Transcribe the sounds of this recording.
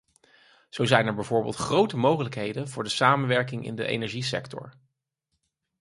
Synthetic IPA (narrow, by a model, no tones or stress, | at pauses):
z̥owzɛjnɛɹbɛjvʊːɹbeːlˠtχrowtəmowχələkɦejdənvʊːɹdəsaːmənʋɛɹkɪŋʔɪ̰ndə̰ʔḛjnɛɹʒisɛ̰ktʰɔ̰ɹ